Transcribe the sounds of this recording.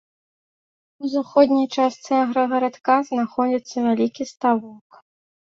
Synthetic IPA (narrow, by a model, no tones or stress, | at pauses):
uzaxɔd̪ʲnʲijt͡ʂast̪sɛɣɾɐɣɐɾat̪kaznaxɔd͡zʲit̪sːɐvʲalʲikʲist̪avɔk